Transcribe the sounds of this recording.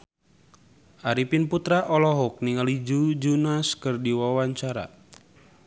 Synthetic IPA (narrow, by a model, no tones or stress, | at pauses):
ʔaɾipinput̪ɾaʔɔlɔɦuk̚niŋalid͡ʒud͡ʒunaskɨrdiwawaɲt͡ʃaɾa̰